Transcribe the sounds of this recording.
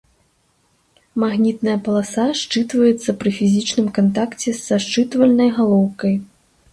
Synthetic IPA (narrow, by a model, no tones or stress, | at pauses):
maɣnʲit̪nɐjɐpɐlˠasaʂt͡ʂɨt̪vɐjɛt̪sːɐpɾɨfʲizʲit͡ʂnɨmkant̪̬akt͡sʲɛsːaʂt͡ʂɨt̪vɐlʲnɐjɣalˠɔwkɐj